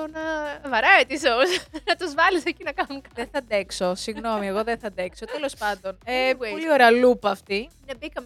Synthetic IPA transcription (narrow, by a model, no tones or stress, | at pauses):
onɐvɐɾɐet̪isosnɐt̪uzvɐlisecinɐkɐnunkɐðeθɐd̪ekso̞siɣno̞mieɣo̞ðenθɐnd̪ekso̞t̪elo̞spɐnd̪o̞neolio̞ɾeɐlupɐːft̪inɐbikɐm